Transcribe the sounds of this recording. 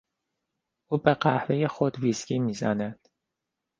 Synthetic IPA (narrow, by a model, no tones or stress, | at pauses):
uːbeɢæhvejexod̪viskʰiːmiːzænæd̪̥